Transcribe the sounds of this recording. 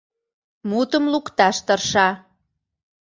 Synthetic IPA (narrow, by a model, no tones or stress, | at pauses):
mut̪əmlukt̪ɑʃt̪ɤrʃɑ